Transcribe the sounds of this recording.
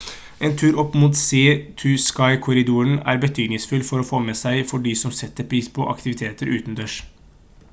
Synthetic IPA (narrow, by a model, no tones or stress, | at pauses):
ʔeːnt̪ʰʉːɾɔpːmuːt̪seːt̪ʰʉskɑɪkʰʊɾɪd̪uːəɳæ̰ːɾbət̪ʰyːɡ̪nɪŋsfʏlfɔɾɔfoːmɛsæɪfɔɖiːsɔmsɛt̪ːəɾpʰɾiːspʰɔʔɑ̰kt̪ɪʋɪt̪ʰeːt̪əɾʔʉːt̪nd̪øːʂ